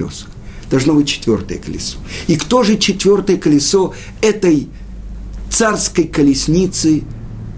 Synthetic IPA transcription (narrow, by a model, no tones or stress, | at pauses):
o̰sə̥xd̪̥ɐlˠʐno̞bɨtʲt͡ɕːɪ̥t̪vʲo̞rt̪ə̰jəkəlʲɪ̰so̥ikt̪o̞ʐɨt͡ɕɪt̪vʲo̞rt̪əjəkəlʲɪso | ɛt̪əj | t̪sarskəjkəlʲɪsʲnʲit̪sɨ